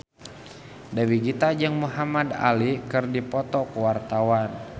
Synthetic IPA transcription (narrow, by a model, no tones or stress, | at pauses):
dawiɡit̪ad͡ʒaŋmuɦamad̪a̰likɨrdipɔt̪ɔkwart̪awan